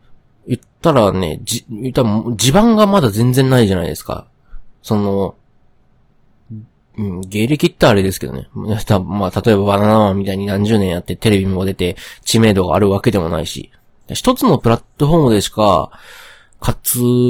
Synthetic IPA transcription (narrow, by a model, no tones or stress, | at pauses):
jɯ̟t̪ːaɾane̞̰d͡ʑijɯ̟t̪ːaɾmd͡ʑibãŋɡamad̪azẽ̞nd͡zẽ̞nːaiʑana̰ḭd̪e̞sɨ̥ka̰ | so̞no̞ | ɯ̃ɴɡe̞ːɾe̞kʲit̪ːaːɾe̞d̪e̞sɨ̥ke̞d̪o̰ne̞̰at̪amaːt̪at̪o̞e̞baβananaβammʲːit̪aiɲ̟inãɲ̟d͡ʑɨːnẽɰ̃jat̪ːet̪e̞ɾe̞bʲimod̪e̞t̪e̞t͡ɕime̞ːd̪o̞ɡa̰ːɾɯ̟β̞ake̞d̪e̞mo̞̰na̰iɕḭ | d̪açi̥t̪o̞t͡sɨno̞pɯ̟ɾat̪ːo̞ɸo̞ːmɯ̟d̪e̞ɕi̥ka̰ | kʰat͡sɨ